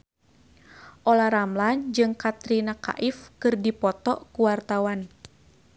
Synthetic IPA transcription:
ʔɔlaɾamland͡ʒɨŋkat̪ɾinaka̰ʔifkɨrdipɔt̪ɔʔkuwart̪awan

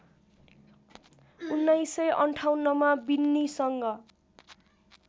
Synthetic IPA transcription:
unːajsʌjʔʌɳʈʰawnːʌmabinːisʌŋɡʌ

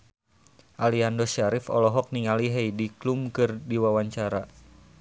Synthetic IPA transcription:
ʔaliandɔʃaɾifɔ̰lɔɦɔk̚niŋaliɦejdiklumkɨrdiwawaɲt͡ʃaɾa

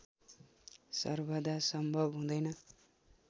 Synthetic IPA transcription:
sʌ̰rbʱʌd̪asʌmbʱʌbɦũd̪ʌjnʌ

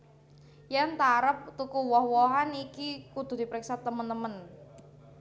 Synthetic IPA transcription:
jant̪aɾəp̚t̪ukuwɔhwɔɦanikikud̪̥ʊ̤hd̪i̤pɾɪksat̪əmənt̪əmən

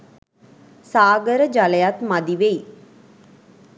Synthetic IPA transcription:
saːɡəɾəd͡ʒaləjat̪mad̪iʋej

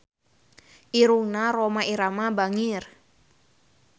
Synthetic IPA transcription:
ʔiɾuŋnaɾomaʔiɾamabaŋir

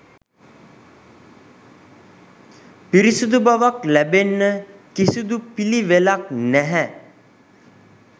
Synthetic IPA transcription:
piɾisud̪ubaʋaklɛbenːəkisud̪upiliʋelak̚nɛɦɛ

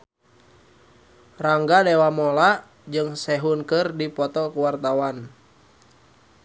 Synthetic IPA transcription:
raŋɡadɛwamɔlaʔ | d͡ʒɨŋsɛɦunkɨrdipɔt̪ɔkuwart̪awan

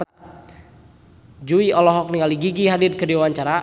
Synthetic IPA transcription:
d͡ʒuiɔlɔɦɔk̚nikaliɡiɡiɦadit̪̚kədiwawaɲt͡ʃaɾa

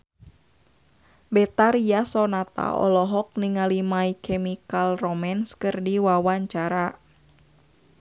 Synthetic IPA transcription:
bɛt̪aɾiasɔnat̪a̰ʔɔ̰lɔɦɔk̚niŋalimaikʰɛmikalrɔmanskɨrdiwawaɲt͡ʃaɾa

